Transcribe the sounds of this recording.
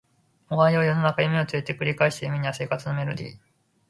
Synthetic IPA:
oβaiojo̞no̞nakajɯmeo̞t͡sɨet̪e̞kɯ̟ɾʲikaeɕi̥t̪ajɯmeɲ̟iase̞ːkat͡sɨno̞me̞ɾo̞d̪ḭː

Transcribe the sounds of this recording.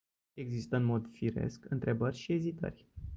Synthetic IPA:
e̞ɡzist̪əɨnmo̞d̪fiɾe̞̰skɨnt̪ɾe̞bərʲʃie̞zit̪ə̰rʲ

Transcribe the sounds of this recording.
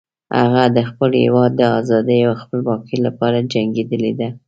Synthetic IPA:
ha̰ɣad̪əxpəlhḛwɑd̪ːəɑzɑd̪əjawaxpəlbɑkəlapɑɾad͡ʒaŋɡed̪əled̪a

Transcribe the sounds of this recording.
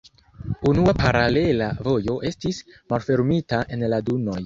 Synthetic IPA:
unuapaɾale̞lavo̞jo̞ʔe̞stismalfe̞ɾmitaʔe̞nladuno̞j

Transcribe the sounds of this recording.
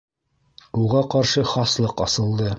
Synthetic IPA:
uʁɑqɑɾʃɤχɑslˠɤqɒsɤ̆lˠd̪ɤ

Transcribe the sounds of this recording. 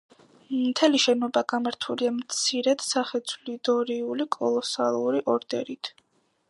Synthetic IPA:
t̪ʰɛliʃɛnɔbaɡamaɾt̪ʰuliamt̪sʰiɾɛd̪̥saχɛt̪sʰlid̪ɔɾiulikʼɔlˠɔsalˠuɾiʔɔɾd̪ɛ̰ɾit̪ʰ

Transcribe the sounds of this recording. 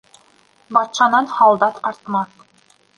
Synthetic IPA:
bɑt̪ʃɑnɑnhɑlˠd̪ɑt̪ɑɾt̪mɑθ

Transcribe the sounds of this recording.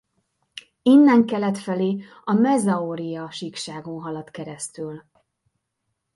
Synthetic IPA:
inːɛŋkɛlɛt̪fɛleː | ɒmɛzɒoːɾijɒʃikʃaːɡonɦɒlɒt̪kɛɾɛst̪yl

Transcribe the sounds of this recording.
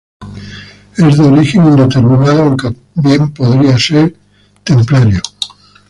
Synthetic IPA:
e̞zðeo̞ɾixenind̪e̞t̪e̞ɾmĩnaðoŋke | bje̞mpo̞ðɾiase̞ɾ | t̪e̞mplaɾjo

